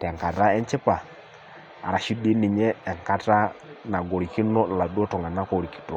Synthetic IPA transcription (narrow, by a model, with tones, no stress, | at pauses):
tɛ˨ŋka˨ɾa˦ɛ˦n˦t͡ʃɪ˦pa˨ | a̰˨ɾa˨ʃi˦di˦nɪ˨ɲɛ˦ɛ˨ŋka˦ta˦na˨ɡɔ˨ɾi˨ki˦nɔ˦˨la˨du˦ɔ˦tɔ˨ŋɡa˨na˦kɔ˨ɾi˨ki̥˨tɔ˦˨